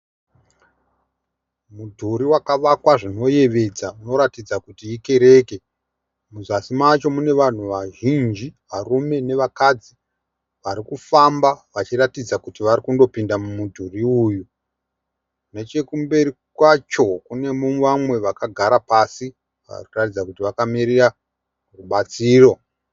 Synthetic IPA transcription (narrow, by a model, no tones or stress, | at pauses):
mudʱuɾiwakaʋakwaʐino̞je̞ʋe̞d͡zauno̞ɾatid͡zakutiike̞ɾe̞ːke̞ | muzasimat͡ʃo̞mune̞ʋan̤uʋaʒind͡ʒiʋarume̞ne̞ʋakad͡zi | ʋaɾikufambaʋat͡ʃiratid͡zakutiʋarikundo̞pindamumudʱuriuju | net͡ʃe̞kumbe̞ɾi | kwat͡ʃo̞kune̞muʋamwe̞ʋakaɡʱaɾapasi | ʋa̰rikuratid͡zakutiʋakamiɾira | ruɓat͡siːro̞